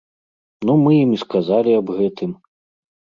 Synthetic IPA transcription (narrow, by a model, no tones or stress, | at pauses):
numɨjimiskazalʲiɐbɣɛt̪ɨm